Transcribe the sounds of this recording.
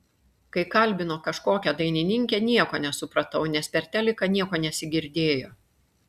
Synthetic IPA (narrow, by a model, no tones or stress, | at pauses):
kɐɪkɐlʲbʲɪnoːkɐʃkoːkʲɛd̪ɐɪnʲɪnʲɪŋʲkʲɛnʲiɛkoːnʲɛsʊpɾɐt̪ɐʊnʲɛspʲɛɾʲt̪ʲæːlʲɪkɐnʲiɛkoːnʲɛsʲɪɡʲɪɾʲd̪ʲeːjoː